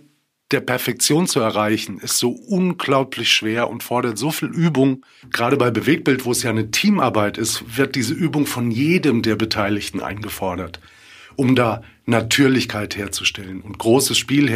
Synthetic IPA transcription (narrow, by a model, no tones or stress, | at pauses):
d̥eːɐpɛɐfɛk̚t͡sjoːnt͡suɛɐʁaɪçn̩ɪstz̥oːʔʊnɡlaʊpʰlɪçʃv̥eːɐʔʊ̰ntfɔɐɾɐtz̥oːfiːlʔyːbʊŋ | ɡ̥ʁaːɾəbaɪbəveːk̚b̥ɪltv̥oːɛsjaːnətʰiːmʔa̰ɐbaɪtɪstv̥ɪɐt̚d̥iːzəʔyːbʊŋfɔnjeːdəmdeːɐbətʰaɪlɪçtn̩ʔa̰ɪnɡəfɔɐɾɐt | ʔʊmdaː | natʰyːɐlɪçkʰaɪtheːɐt͡su̥ʃtɛlənʊnt̚ɡ̥ʁoːsəsʃpiːlh